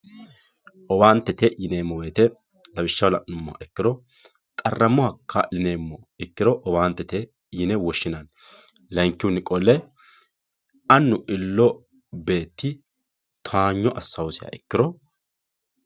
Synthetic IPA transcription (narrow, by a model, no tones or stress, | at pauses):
ʔɔbaːnt̪ːɛt̪ɛʔjɪneːmːɔwe̞ːt̪ɛ | lɐbɪʃːɐwlɐʔnʊmːɔ̰ɐ̰ʔɛkːɪɾɔ | kʼɐrːɐmːɔhɐkʰːɐlɪne̞ːmːɔ | ɪkːɪɾɔʔɔbaːnt̪ːɛt̪e | jɪnɛwɔʃːɪnɐn | lɐŋkːɪwʊnɪkʼɔlːɛ | ɐnːʊʔɪlːɔ | be̞ːt̪ːɪ | t̪ʰaːɲːɔʔɐsːɐwʊsɪjɐ̰ʔɪkːɪɾɔ